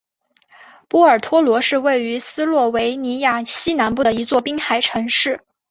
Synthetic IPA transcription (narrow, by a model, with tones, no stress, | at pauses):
pɔ˥˩ə˞˨˩t̪ʰwɔ˥lwɔ˧˥ʂɻ̩˥˧we˥˩ɪy˧˥sɹ̩˥lwɔ˥˩we˧˥ɪni˧˥ja˥˩ɕi˥na˧˥npu˥˩d̪ə˩i˧˥t͡swɔ˥˩pi˥ŋxa˧˥˩ɪʈ͡ʂʰɤ˧˥ŋʂɻ̩˥˩